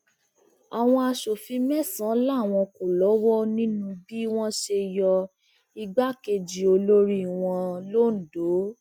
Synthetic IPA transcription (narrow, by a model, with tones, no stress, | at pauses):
a˨w̃ɔ̃˧a˧ʃo˨fĩ˧mɛ˦sã˨˦la˦˨w̃ɔ̃˧ko˨lɔ˨˦wɔ˦nĩ˦nũ˧bi˦w̃ɔ̃˦ʃe˧jɔ˧ | i˧ɡ͡ba˦ke˧d͡ʒi˨o˧lo˦ɾi˦˨w̃ɔ̃˧lo˦˨n̩˨do˨˦